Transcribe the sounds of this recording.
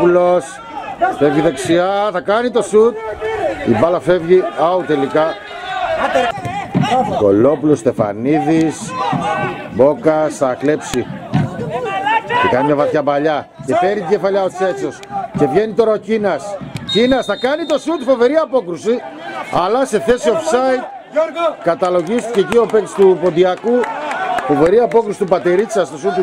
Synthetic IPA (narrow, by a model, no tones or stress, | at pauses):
ulos | fevʝiðeksiɐθɐkɐnit̪o̞sut̪̚ivɐlɐfe̞vʝiɐut̪e̞likɐ | ko̞̰lo̞pulost̪e̞fa̰niðis | bo̞kɐsθɐkle̞psi | cekɐnimɲɐvɐθçɐbɐʎɐce̞fe̞ɾit̪iɟe̞fɐʎɐo̞t͡se̞t͡so̞sce̞vʝe̞nit̪o̞ɾɐocinɐscinɐst̪ɐkɐnit̪o̞sut̪fo̞ve̞ɾiɐpo̞kɾusiɐlɐse̞θe̞siofsɐit̪̚ | kɐt̪ɐlo̞ʝist̪i̥cecio̞pekst̪upo̞nd̪iɐkufo̞ve̞ɾiɐpo̞kɾusit̪upɐt̪eɾit͡sɐst̪o̞sut̪